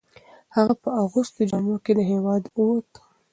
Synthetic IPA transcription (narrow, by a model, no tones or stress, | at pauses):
haɣapəaɣust̪od͡ʒɑmoked̪əɦewɑd̪uwot̪